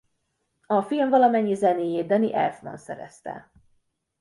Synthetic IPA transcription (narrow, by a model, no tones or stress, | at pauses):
ɒfilɱvɒlɒmɛɲːizɛneːjeːd̪ɛniʔɛ̰lfmɒ̰nsɛ̰ɾɛ̰st̪ɛ̰